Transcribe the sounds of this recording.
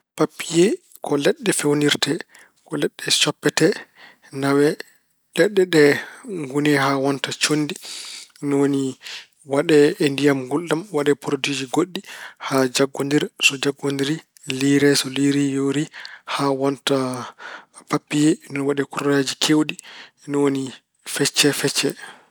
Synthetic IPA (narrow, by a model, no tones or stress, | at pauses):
papːijɛ | kʰɔlɛɗːɛfewniɾtɛ | kɔlɛɗːɛt͡ʃɔpːɛtɛ | nawɛ | lɛɗːɛɗɛŋɡunɛhawɔntat͡ʃondinɔwoni | waɗɛendijamɡulɗamwaɗɛpuɾtid͡ʒiɡoɗːihad͡ʒaɡːondiɾsɔd͡ʒaɡːondiɾi | liɾɛsɔliɾijoɾihawɔnta | papːijɛnɔnwaɗɛkurad͡ʒikʰewɗi | nɔwoni | fɛt͡ʃːɛfɛt͡ʃːɛ